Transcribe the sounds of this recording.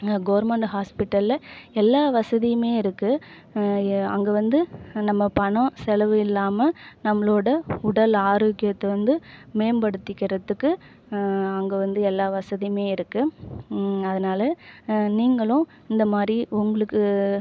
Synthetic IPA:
ɡɐʋɐɾmɐɳʈɦaːspɪʈːɐlɐɛlːaːʋɐsɐðɪjɯmeːɪɾɯkːɯ | ɐ̰ŋɡeʋɐnd̪ɯnɐmːɐpɐɳɐ̃sɛlɐʋɯɪlːaːmɐnɐmːɐɭoːɽɐʊɽɐlaːɾoːkːɪjɐt̪ːɐʋɐnd̪ɯmeːmbɐɽɯt̪ːɪkːɪɾɐðːɯkːɯ | ɐŋɡeʋɐnd̪ɯɛlːaːʋɐsɐðɪjmeːɪɾɯkːɯ | ɐðɐnaːlɐniːŋɡɐɭʊ̃ | ɪnd̪ɐmaːd̪ɾiʊŋɡɐɭɯkːɯ

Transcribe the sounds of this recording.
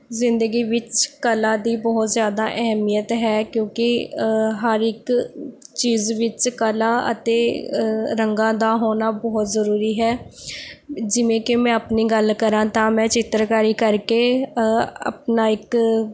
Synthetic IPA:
zɪnd̪əɡiːʋɪt͡ʃkəlãːd̪iːbɔːt̪zjaːd̪aːʔɛɦɛmijət̪ɦɛːkjõːkɪɦəɾɪk | t͡ʃiːzʋɪt͡ʃkəlaːʔə̰t̪eː | ɾəŋɡãːd̪aːɦoːnaːbɔːt̪zəɾuːɾiːɦɛː | d͡ʒɪʋẽːkɪmɛ̃ːəpniːɡəlkəɾãːt̪ãːmɛ̃ːt͡ʃɪt̪ːɾkaəːɾiːkəɾkeː | ə̰pnaːɪk

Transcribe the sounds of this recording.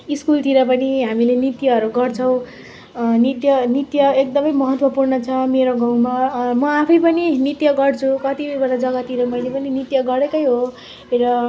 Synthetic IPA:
iskult̪iɾʌp̬ʌniɦamilenit̪jʌɦʌɾuɡʌrt͡sʰʌw̃ | nit̪jʌnit̪jʌek̚d̪ʌmʌjmʌɦʌt̪wʌpurnʌt͡sʰʌmeɾoɡaw̃mamʌapʰʌjpʌninit̪jʌɡʌrt͡sʰukʌt̪iʌbʌnad͡zʌɡat̪iɾʌmʌjlepʌninit̪jʌɡʌɾekʌjɦo | eɾʌ

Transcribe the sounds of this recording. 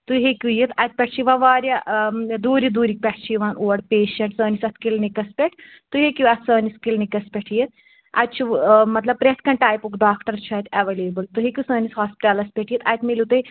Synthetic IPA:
t̪uɦekʲujit̪ɐt̪̚pʲɐʈʰt͡ʃʰiʋaʋaːɾjɐd̪uːɾid̪uːɾik̚pʲɛʈʰt͡ʃʰijʋaːnʔuːɐɽpeːʃɐɳʈsəːnisɐt̪ʰkilnikɐspʲɛʈʰ | t̪uɦekʲuɐt̪ʰsəːniskilnikɐspʲeʈʰjet̪̚ | ɐ̰t̪̚t͡ʃʰimɐt̪lɐb̚pɾeskɐ̃ɳʈaːjpukɖaːkʈɐɾt͡ʃʰɐt̪ʰɐʋeleːbɨlt̪uɦekʲusɐːnishaːspi̥ʈalɐspʲeʈʰijit̪ɐt̪ʰmilut̪ɐj

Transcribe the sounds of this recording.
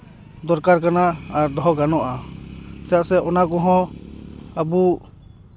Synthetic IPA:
d̪ɔɾkaɾkanaaɾd̪ɔɦɔɡanɔʔat̪ɛjaʔsɛʔɔnakɔ̃ɦɔ̃ | abu

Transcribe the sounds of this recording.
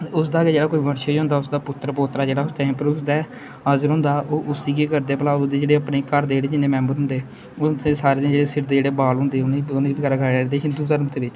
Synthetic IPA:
ʊs̬d̪aːɡeːd͡ʒeːɽaːkoːiːʋəɽʃeːd͡ʒɦʊ̃nd̪aːʊsd̪aːpʊt̪ːəɾpoːt̪ɾaːd͡ʒeːɽaːʊst̪ɛːɪ̃mpɾuːsd̪aː | əzəɾɦʊ̃ːnd̪aːʔoːʔʊsiːkeːkəɾd̪eːpəlaːʊsd̪eːd͡ʒeːɽeːəpneːkəɾd̪eeːɽeːd͡ʒɪneːmɛ̃ːmbəɾɦʊ̃nd̪eː | ʊesaːɾeːd̪d͡ʒeːɽeːsɪɾd̪eːd͡ʒeːɽeːbaːlɦʊ̃nd̪eːʊnːʊnːibkəɾaːɡaːed̪eːɦɪnd̪uːt̪əɾmt̪eːʋɪt͡ʃ

